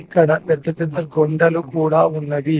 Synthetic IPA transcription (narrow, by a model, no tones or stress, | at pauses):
kːɐɽɐʋjɐt̪ːɐt̪ɐt̪ːɐɡoɳɖɐlukuːɽaːunːɐdi